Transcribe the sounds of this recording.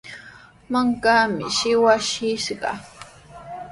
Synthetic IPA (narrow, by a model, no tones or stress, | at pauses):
maŋkaːmɪ̰ʃɪwaʃɪʃɢɑ̰